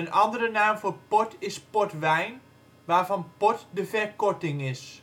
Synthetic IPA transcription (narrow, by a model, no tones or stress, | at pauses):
ənʔɑndərənaːmvoːɹpɔtʰɪspɔtʋɛjn | ʋaːɹvɑnpɔtdəvɛɹkɔtɪŋɪs